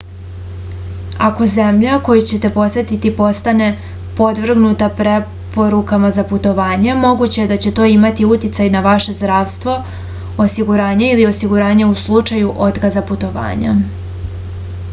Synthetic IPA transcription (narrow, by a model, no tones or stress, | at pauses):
ako̞ze̞mʎako̞jut͡ɕe̞t̪e̞po̞sʋet̪it̪ipo̞st̪ane̞ | po̞d̪vr̩ɡnut̪apɾe̞ | po̞ɾukamazaput̪o̞ʋaːɲemo̞ɡut͡ɕe̞jed̪at͡ɕe̞t̪o̞ːimat̪iut̪it̪sajnaʋaʃe̞zd̪ɾaːʋst̪ʋo̞ | osiɡuɾaːɲeilio̞siɡuɾaːɲeuslˠut͡ʂajuʔo̞t̪kazaput̪o̞ʋa̰ːɲa̰